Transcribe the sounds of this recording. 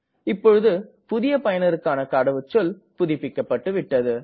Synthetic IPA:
ɪpːɔɻɯðɯpʊðɪjɐpɐjɐnɐɾɯkːaːnɐkaːɽɐʋɯt͡ʃːɔlpʊðɪpːɪkːɐpːɐʈːɯʋɪʈːɐðɯ

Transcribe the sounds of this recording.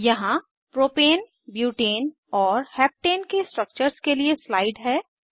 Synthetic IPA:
jɐɦã | pɾoːpeːn | bjuːʈeːn | ɔːɾhɛːp̚ʈeːnkesʈɾək̚t͡ʃəɾskelieslaːɪɖɦɛː

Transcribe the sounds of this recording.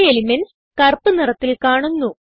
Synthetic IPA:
elimɐn | kɐrpɨnirɐt̪ːilkaːɳunːu

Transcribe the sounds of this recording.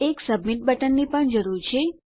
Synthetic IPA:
eksəbmiʈ̚bəʈənːipəɳd͡ʒəɾuɾt͡ʃʰe

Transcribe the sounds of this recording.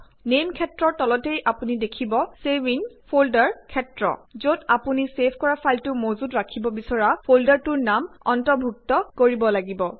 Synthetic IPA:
nemkʰɛtɹɔtɔlɔtejʔapunidekʰibɔsebinpʰoldaɹkʰɛtɹɔ̰zodapunisepʰkɔɹapʰaltʊmozudɹakʰibɔbisɔɹapʰoldaɹtuɹnamɔ̰ntɔɹbʱuk̚tɔkoɹibɔlaɡibɔ

